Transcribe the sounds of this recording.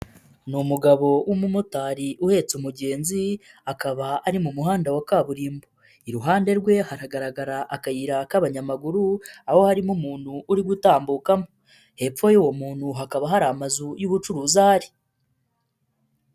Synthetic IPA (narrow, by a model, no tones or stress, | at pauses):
numuɡaβo̞wʔumumutaːɾiʔuhe̞ːt͡sumuɟe̞ːnziakaβaaɾimumuɦaːndawakaːβuɾiːmbo | iɾuɦaːnde̞ɾɡwe̞haɾaɡaɾaɡaɾaʔakajiɾakaβaɲamaɡuɾuaho̞haɾimumuːn̥huʔːɾiɡutaːmbuːkamo | he̞p͡fo̞juwo̞muːn̥huɦakaβaɦaɾamazujuβut͡ʃuɾuzaːɾi